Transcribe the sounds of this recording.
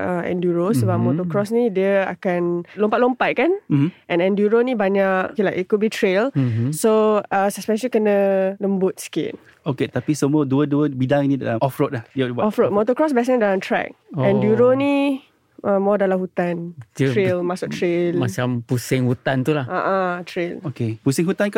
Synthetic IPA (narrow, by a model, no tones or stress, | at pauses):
ə̃ɛ̰̃ndjuɹosəbap̚mɔt̪ɔkɹɔsnidjəa̰kãnlõmpat̚lõmpat̪̚kãnm̩mʔɛ̃nɛ̃ndjuɹonibaɲaʔilakit̚kut̚bitʰɹelsoasəspɛ̃nʃəlikənələmbut̪̚skḛn | oket̪apisəmuəduəduəbidãŋinidɛ̰aɔfɹot̚lahdibɔfɹot̚mɔt̪əkɹɔsbɛs̬ɛ̃ndalãmtʰɹɛ̰k̚ɛ̃ndjuɹoni | amɔdalahut̪ãntuɹelmasuk̚tɹelmat͡ʃampusɪ̃ŋhut̪ãnt̪ulahʔaʔatʰɹelokepusɪ̃ŋɦut̪ãnka